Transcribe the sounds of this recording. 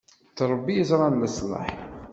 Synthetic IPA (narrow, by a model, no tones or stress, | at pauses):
θɾˤəbːijəzɾˤɑnməsˤlə̰ħ